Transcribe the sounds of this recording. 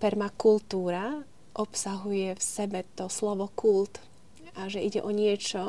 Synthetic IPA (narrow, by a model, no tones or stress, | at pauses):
pɛɾmakult̪uːɾa | ʔɔpsaɦujɛfsɛbɛt̪ɔslɔʋɔkult̪ | ʔaʒɛʔiɟɛ̰ʔɔɲɪɛt͡ʃɔ